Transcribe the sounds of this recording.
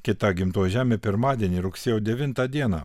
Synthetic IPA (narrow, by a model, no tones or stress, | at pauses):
kʲɪt̪ɐɡʲɪmt̪oːjʒʲæːmʲeːpʲɪɾmɑːd̪ʲiɛnʲiːɾʊksʲeːjoːd̪ʲɛʋʲɪnt̪ɑd̪ʲiɛnɑ̰